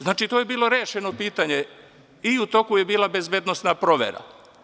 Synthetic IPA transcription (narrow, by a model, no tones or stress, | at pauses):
znaːt͡ʃit̪oje̞biːlˠo̞ɾeːʃeno̞piːt̪aɲe | iut̪o̞kuje̞biːlˠabezbjed̪nosnapɾo̞ʋjḛɾa̰